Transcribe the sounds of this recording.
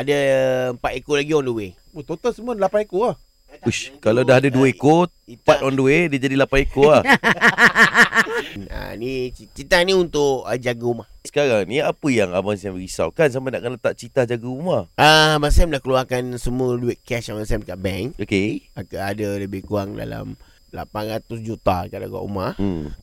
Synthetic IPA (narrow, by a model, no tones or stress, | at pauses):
adaəmpat̪ekolaɡiɔnduwe | ot̪ot̪ɔnsəmuəlapaikoah | uʃkalawdaɦadadueko | it̪at̪ɔnduwedid͡ʒadilapaikoah | a̰nit͡ʃt͡ʃit̪ahniunt̪ʊʔəd͡ʒaɡəumahsə̥kaɾaŋniapəjaŋabaŋsɛmɾisa̰wkans̬ampana̰ʔkənət̪aʔt͡ʃit̪ahd͡ʒaɡəumahʔaabaŋsɛmlahkəluakansəmũəduɛʔkɛsabansɛmkaʔbɛŋokeakadələbɪhkuaŋda̰la̰m | la̰panɾat̪ʊs̬d͡ʒut̪akada̰ɡa̰ʔṵmah̩